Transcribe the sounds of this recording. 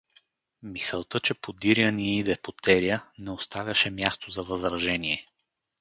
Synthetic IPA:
misɛlˠt̪ɤt͡ʃɛpod̪iɾjəniɛid̪ɛpot̪ɛɾiənɛost̪avʲɐʃɛmjast̪ozɐvɐzɾɐʒɛniɛ

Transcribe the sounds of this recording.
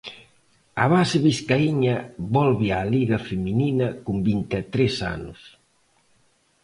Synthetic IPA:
ɐβasɪβiskaiɲɐβɔlβɪaliɣɐfemininɐkumbint̪et̪ɾesa̰nʊ̰s

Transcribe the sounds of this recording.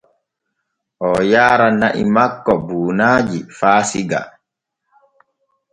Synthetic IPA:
ʔɔjaːɾanaʔḭmakːɔbuːnaːd͡ʒifaːsiɡa̰

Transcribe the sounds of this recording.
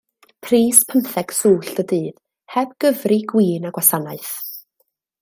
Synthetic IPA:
pʰriːspʰəmθɛɡ̥suːɬd̥ədɨːð̥ | hɛb̥̚ɡ̥əvriɡwiːnaɡwasanaɨθ

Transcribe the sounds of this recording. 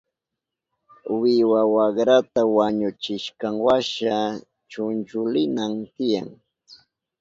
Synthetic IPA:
wɪwawaɢɾat̪awaɲʊt͡ʃɪʃkaŋwaʃa | t͡ʃʊnt͡ʃʊlɪnamt̪ɪja̰ŋ

